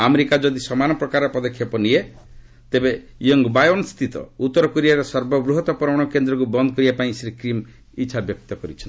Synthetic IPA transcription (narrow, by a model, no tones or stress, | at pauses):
ameɾikad͡ʒɔd̪isɔmanɔpɾɔkaɾɔpɔd̪ɔkʰːjɔpɔnie | t̪ebe | jɔŋɡbajɔnust̪ʰit̪ɔ̰ut̪ːɔɾɔkoɾijaɾɔsɔɾbɔbɾuɦɔt̪ɔpɾɔɽ̃ɔkend̪ɾɔk̬ubɔnd̪ɔkɔɾibapaĩsɾikɾim | it͡ʃʰabjɔk̚t̪ɔkɔɾit͡ʃʰɔnt̪